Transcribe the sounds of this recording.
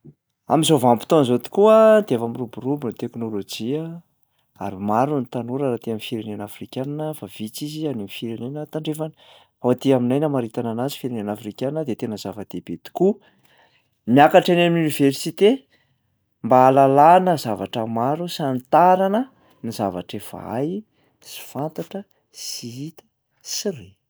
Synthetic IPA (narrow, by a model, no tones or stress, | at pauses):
a̰mizovampi̥t̪onzot̪i̥kuat̪afamiruburubunit̪eknolod͡ʒiə | a̰ɾimaɾunit̪anuɾaɾat̪iamifiɾenenafrikʲananəfav̥it͡sizianamifiɾenenət̪aɳɖ͡ʐefani | aat̪iaminajnamaɾit̪ananazi̥fiɾenenafrikaninəd̪et̪enəzavəd̪̥eb̥et̪u̥ku | miakaʈ͡ʂanamuniveɾsit̪e | mbaːlalanəzavaʈ͡ʂəmaɾusant̪aɾanə | nizavaʈ͡ʂev̥a̰a̰j | si̥fant̪aʈ͡ʂə | siit̪ə̥ | sire